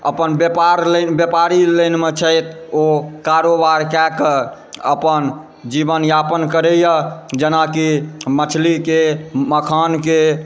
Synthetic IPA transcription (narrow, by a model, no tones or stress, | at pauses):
ə̰pənbjepaɾlənbjəpaɾiləjnmet͡ʃʰəjt̪ | okaɾobaɾkɛkə | ə̰pən | d͡ʒibənjapənkəɾɛjəd͡ʒenakimət͡ʃʰlikeməkʰanke